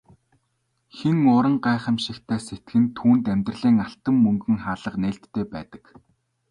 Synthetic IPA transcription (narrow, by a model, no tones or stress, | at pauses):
xeŋʊɾə̆ɴɢæːχə̆mʃɪ̆kt̪ʰæːset̪̚ɡɘ̆nt̪ʰuːnt̪æmʲt̪rə̆ɮiːŋaɬt̪ə̆mːɵŋɡɵ̆ŋχaːɮə̆qneːɬt̪ʰːeːpæːt̪ə̥̆k